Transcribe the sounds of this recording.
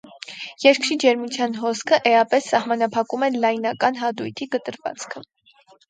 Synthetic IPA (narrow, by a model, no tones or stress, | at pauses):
jɛɾkʰɾid͡ʒɛɾmut͡sʰjɑnɦɔskʰəʔɛɑpɛsːɑhmɑnɑpʰɑkumɛlɑjnɑkɑnɦɑd̪ujt̪ʰikət̪əɾvɑ̰t͡skʰə